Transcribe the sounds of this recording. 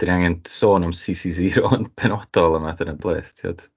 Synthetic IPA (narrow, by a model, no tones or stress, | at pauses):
d̥inaŋɛnsoːnɔmsisis̬iɾɔnpʰɛnɔd̥ɔlˠəmaθənənb̥lˠḛːθtʰiɔ̰d̥